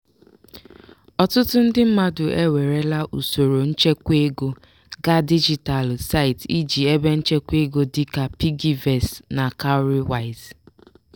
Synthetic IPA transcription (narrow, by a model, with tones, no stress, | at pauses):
ɔ˨tʊ˦tʊ˦n̩˦dɪ˦m̩˦ma˦dʊ˨ʔe˦we˨ɾe˦la˦ʔu˨so˨ɾo˨n̩˦t͡ʃe˦kʷe˦ɡo˦ | ɡa˦di˦d͡ʒi˨ta˨lsa˦ɪ˨ti˦d͡ʒi˨e˦be˦n̩˦t͡ʃe˦kʷe˦ɡo˦di˦ka˨pi˦ɡi˨vɛ˨sna˨ka˦ʊ˦ɾi˦wa˨ɪ˨z